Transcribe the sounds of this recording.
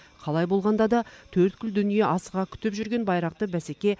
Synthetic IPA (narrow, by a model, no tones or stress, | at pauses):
qʰɑlˠɑjbo̞lˠʁɑnd̪ɑd̪ɑt̪ʰɵɾt̪̚kʲʰʏld̪ʏnije̞ʔɑsəʁɑkʲʰʏ̥t̪ɪpʒʏɾɡʲe̞nbɑjɾɑq̚t̪əbæsekʲe̞